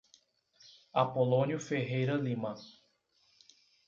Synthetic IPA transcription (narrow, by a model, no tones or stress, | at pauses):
apolõnjʊfeɦejɾɐlĩmɐ